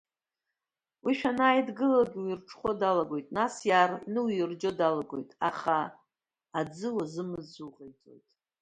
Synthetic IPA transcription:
wiʃᶣanaːjdɡɨlaɡʲiwjirʈ͡ʂʰʼχʷodalaɡʷo̞jtʼnasjarnɨwjɪrd͡ʒo̞dalaɡo̞̰jtʼa̰χaː | d͡zɨwazɨmɨzuʁejtʰʼo̞̰jtʼ

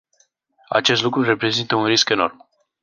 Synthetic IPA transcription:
a̰t͡ʃe̞s̬t̪lukɾure̞pɾe̞zint̪əunriske̞no̞rm

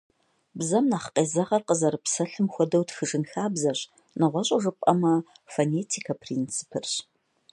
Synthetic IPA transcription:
bzɐmnaːχqeːzɐʁɐrqəzɐɾɨpsɐɬɨmxʷɔdɐwtxɨʂɨnxaːbzɐɕ | nɨʁʷɔɕʼɐʒɨpʼɐmɐfoneːtʰikʰɐpʰriːnt͡sʰɨ̥pʰɨrɕ

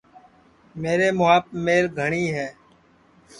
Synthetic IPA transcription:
meːɾeːmʊaːpmeːlɡʱəɳiːɦɛː

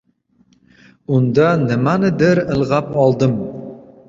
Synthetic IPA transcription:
und̪ɑnɘ̆manɘd̪ɘɾɘ̆lˠʁɑpɒlˠd̪ɤm

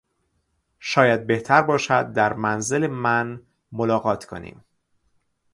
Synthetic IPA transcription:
ʃɒːjæd̪̚be̞ht̪ʰæɾbɒːʃæd̪̚ːæɾmænzelemæn | molɒːɣɒːt̪ʰkʰo̰nḭːm

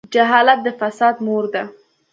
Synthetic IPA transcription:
d͡ʒaɦɑlat̪̚d̪əfasɑd̪moɾd̪a

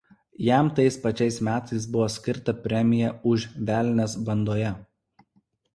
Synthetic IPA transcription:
jæˑmt̪ɐɪspɐt͡ʃʲɛɪsmʲæːt̪ɐɪs̬bʊʋoːsʲkʲɪɾt̪ɐpʲɾʲɛmʲɪjɛʊʃʋʲæːlʲnʲɛsbɐnd̪oːjɛ

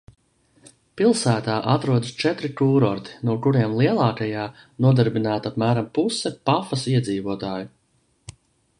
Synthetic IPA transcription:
pilˠsæːt̪aːʔat̪ɾuɔd̪əst͡ʃɛt̪ɾikuːɾɔɾt̪i̥nuɔkuɾiɛmlˠiɛlˠɑːkajaː | nuɔd̪aɾbinaːt̪apmæːɾampusːɛpafɐsiɛd̪ziːvuɔt̪aːju

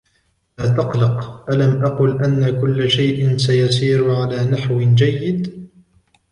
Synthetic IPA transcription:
laːt̪ɑqlɑqʔalamʔaqʊlʔanːakʊlːaʃajʔɪnsajasiːɾʊʕalaːnaħwɪd͡ʒajːɪd̪

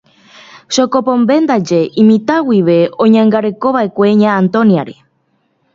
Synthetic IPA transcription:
ʃokopõmbe̞nd̪ad͡ʒe̞ʔĩmĩt̪awiʋe̞õ̞ɲãŋɡaɾe̞ko̞βaʔe̞kʷe̞ɲãːnt̪õ̞niaɾe

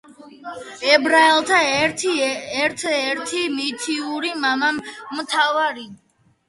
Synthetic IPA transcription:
ɛbɾaɛlˠt̪ʰaɛɾt̪ʰiɛɾt̪ʰɛɾt̪ʰimit̪ʰiuɾimamamːt̪ʰavaɾi

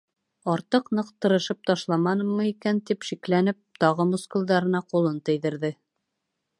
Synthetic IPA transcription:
ɑɾt̪ɤqnɤqt̪ɤ̆ɾɤ̆ʃɤp̚t̪ɑʃlˠɑmɑnɤ̆mːɤikænt̪ipʃiklænɘp̚t̪ɒʁɤmŭskulˠd̪ɑɾɤ̆nɑqulˠɤnt̪ɘ̆jðɘ̆ɾðɘ

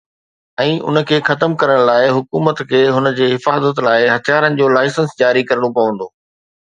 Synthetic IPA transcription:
ɛ̃ːʔʊ̰nə̆kʰeːxɐt̪əmkɐɾəɽ̃laːɪɦʊkuːmət̪kʰeːɦʊnə̆d͡ʑeːɦɪfaːzət̪laːɪɦɐt̪ʰjaːɾənɪ̆d͡ʑoːlaːɪsə̃nsd͡ʑaːɾikɐɾəɽ̃opɐʋə̃nd̪oː

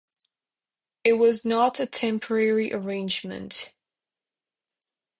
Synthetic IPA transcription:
ɪʔ̚wɒznətətʰɛ̃mpʰəɹɛɹiʔəɹẽɪ̃nd͡ʒmə̰̃nt

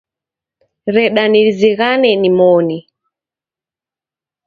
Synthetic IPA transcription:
ɾɛɗaniɾiziɣanɛnimɔni

